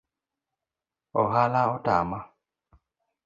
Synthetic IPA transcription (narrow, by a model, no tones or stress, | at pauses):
ɔɦalaɔtama